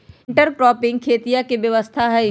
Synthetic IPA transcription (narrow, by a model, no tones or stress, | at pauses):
ɳʈəɾkɾɔːpɪ̃ŋɡ̚kʰeːt̪ijakeʋjɐʋəst̪ʰaɦɛ